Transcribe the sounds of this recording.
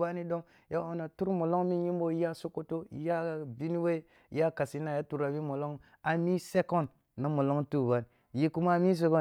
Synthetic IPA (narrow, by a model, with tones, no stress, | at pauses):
ba˦ni˦do˦m | ja˦o˦na˨tu˦ɾmo˨lo˦ŋmi˦ji˦m˦bo˦ja˦so˦ko˦to˦˨˦ja˦˨bi˦ni˦we˦˨ | ja˦ka˨si˦na˨ja˦tu˨ɾa˨bi˦mo˨lo˦ŋ | a˨mi˦se˦ko˦nː | a˦mo˨lo˦ŋtu˦˨ba˨n˨ | ji˦ku˦ma˦mi˦s̬e˦ko˦